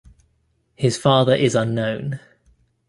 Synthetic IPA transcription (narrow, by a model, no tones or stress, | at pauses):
hɪz̥fɑːðəɹʔɪzʌ̃nːə̃ʊ̃n